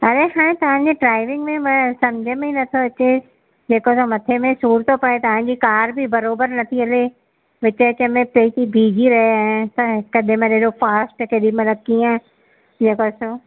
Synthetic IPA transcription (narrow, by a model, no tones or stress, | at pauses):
ɐɾeɦaːɽ̃ẽt̪ɐʋ̤ãɲd͡ʑeɖɾaːɪʋɪ̃ŋɡmẽmɐ̃sɐmd͡ʑʱəmẽĩnɐt̪ʰoɐt͡ɕe | d͡ʑeːkosomɐt̪ʰemẽsuːɾt̪opɐet̪ɐʋ̤ãɲ̆d͡ʑikaːɾbɪbɐɾoːbəɾnɐt̪ʰiɐle | ʋɪt͡ɕət͡ɕəmẽpeːt̪ibʱiːd͡ʑiɾɐɦeaːẽt̪ɐɦɪkɐd̪ʱɪmẽneɦɗofaːsʈkʰeɗimɐ̃lɐkiã | d͡ʑeːkoso